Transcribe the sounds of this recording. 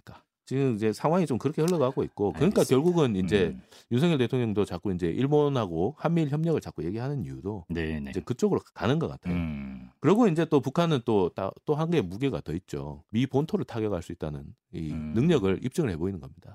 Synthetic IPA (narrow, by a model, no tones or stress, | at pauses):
ɲik͈a | t͡ɕiɡɯmid͡ʑe̞sʰaŋɦwaŋit͡ɕomkɯɾʌkʰehɯɭːʌɡɦaɡoit̚k͈okɯɲik͈akjʌɭɡuɡɯnind͡ʑe̞ | jusʰʌŋjʌɭt̬e̞tʰoŋɲʌŋdot͡ɕak͈oind͡ʑe̞ʔiɭbonhaɡohanmiɭçjʌmɲʌɣɯɭt͡ɕak͈oje̞ɡiɦanɯniudonnd͡ʑe̞kɯt͡ɕ͈oɡɯɾokanɯnɡʌk͈atʰejokɯɾʌɡoind͡ʑe̞t͈opukʰanɯnt͈ot͈a̰t͈oɦanɡemuɡeɡa̰tʌit̚t͡ɕ͈o̰mipontʰoɾɯɭtʰaɡjʌɡaɭs͈uit͈̚anɯn | iːɯŋɲʌɡɯɭip̚t͡ɕ͈ɯŋɯɭhe̞boinɯnɡʌmɲid̥a